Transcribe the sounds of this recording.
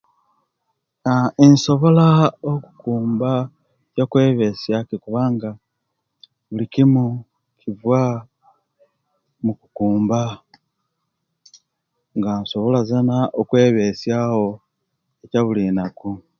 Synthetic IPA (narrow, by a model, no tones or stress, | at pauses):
ainso̞βo̞laoku̥kuːmba | cakwe̞ːβe̞sjakikuβaŋɡa | βulikimu | kʰivwa | mukukuːmba | ŋɡanso̞βo̞lazanaʔokwe̞ːβe̞sjaho̞ | ecaβulinaku